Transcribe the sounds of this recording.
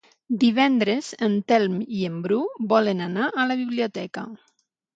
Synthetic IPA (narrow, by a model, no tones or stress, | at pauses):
d̪iβ̞ɛnd̪ɾezənt̪ɛlmiembɾubɔlenanaʔəlaβiβliot̪ɛka̰